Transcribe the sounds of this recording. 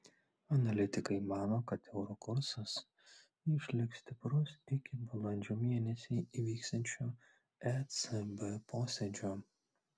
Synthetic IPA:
ɐnɐlʲɪt̪ʲɪkɐɪmɑːnoːkɐt̪ɛʊɾokʊɾsɐs | ɪʃʲlʲɪksʲt̪ʲɪpɾʊsɪkʲɪbɐlˠɐnʲd͡ʒʲuːmʲiɛnʲɛsʲɛiʋʲiːkst̪ɐnʲt͡ʃʲuː | ɛsɛbɛpoːsʲɛd͡ʒʲoː

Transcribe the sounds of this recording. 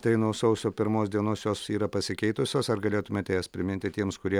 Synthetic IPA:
t̪ɐɪnuːsɐʊsʲoːpʲɪɾmoːsd̪ʲiɛnoːsjoːsiːɾɐpɐsʲɪkʲɛɪt̪ʊsʲoːsɐɾɡɐlʲeːt̪ʊmʲeɐt̪ʲeːjɛspʲɾʲɪmʲɪnʲt̪ʲɪt̪ʲiɛmskʊɾʲiɛ

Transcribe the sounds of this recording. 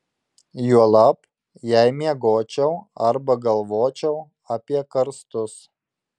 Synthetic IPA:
juɔlˠɑp | jɛɪmʲiɛɡoːt͡ʃʲɛʊɐɾbɐɡɐlˠʋoːt͡ʃʲɛʊ | ɐpʲiɛkɐɾst̪ʊs

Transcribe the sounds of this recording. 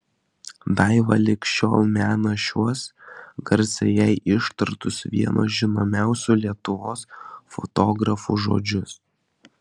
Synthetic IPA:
d̪ɐɪʋɐ̰lʲɪkʲʃt͡ʃʲo̰ːlˠmʲæːnɐʃʲuɔsɡɐɾʲt̪sʲɛjɛɪʔɪʃt̪ɐɾt̪ʊsʋʲḭɛno̰ːʒʲɪnoːmʲæˑʊsʲuːˑlʲiɛt̪ʊʋoːsfɔ̰t̪oːɡɾɐfṵːʒo̰ːd͡ʒʲʊs

